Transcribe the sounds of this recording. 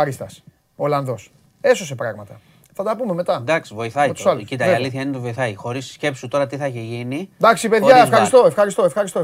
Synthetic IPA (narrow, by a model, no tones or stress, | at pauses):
ɐɾist̪ɐs | olɐnðo̞s | e̞so̞se̞pɾɐɣmɐt̪ɐ | θɐt̪ɐpume̞me̞t̪ɐd̪ɐksivo̞iθɐit̪u̥sɐlscit̪ɐɾiɐliθçɐinet̪ivo̞iθɐjxo̞ɾissce̞psut̪o̞ɾɐt̪iθɐeçeʝinid̪ɐksipe̞ðʝɐefxɐɾisst̪o̞efxɐɾist̪o̞e̞fxɐɾist̪o